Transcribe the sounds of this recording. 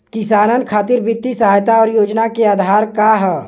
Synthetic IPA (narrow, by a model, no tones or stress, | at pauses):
kɪsaːnənkʰaːt̪ɪɾbɪt̪ːisəɦaːjt̪aɔːɾjoːd͡ʒnakeaːd̪ʱaːɾkaɦɛː